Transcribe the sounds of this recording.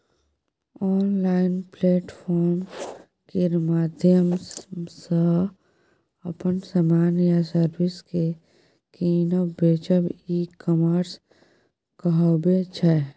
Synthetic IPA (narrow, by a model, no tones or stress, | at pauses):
ɔːnlaːɪnpleːʈfʰɔːɾm | keɾmaːd̪ʱjəmsə | ɐpənsamaːnjasəɾwɪske | kiːnoːbeːt͡ʃəbiːkəməɾs | kəɦɔbet͡ʃʰɛ